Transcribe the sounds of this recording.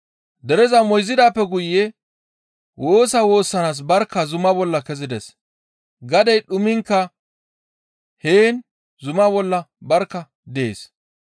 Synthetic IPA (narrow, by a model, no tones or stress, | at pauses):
d̪ɛɾɛzɐmɔjzɪd̪aːpːɛɡʊjːɛ | wʔo̞ːsɐwo̞ːsːɐnaːs̬bɐɾkːɐzʊmɐbɔlːɐkɛzɪd̪ɛs | ɡɐd̪ɐjɗʊmɪŋkːɐ | heːn | zʊmɐbɔlːɐbɐɾkːɐ | d̪eḛːs